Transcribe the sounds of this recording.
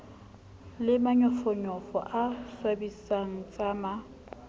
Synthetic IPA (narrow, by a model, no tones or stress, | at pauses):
lɪmaɲɔfɔɲɔfɔ̰ʔaswabisaŋ̩t͡sʼama